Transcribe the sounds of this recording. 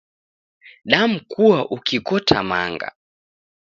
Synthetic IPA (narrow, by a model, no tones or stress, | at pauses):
ɗam̩kuwaʔukikɔtʰama̰ŋɡa̰